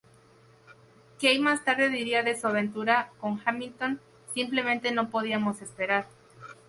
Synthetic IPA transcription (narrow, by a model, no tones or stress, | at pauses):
kejmast̪aɾðe̞ðiɾiaðe̞suaβe̞nt̪uɾako̞ŋxamilt̪o̞n | simple̞mẽnt̪e̞no̞po̞ð̞iamo̞se̞spe̞ɾaɾ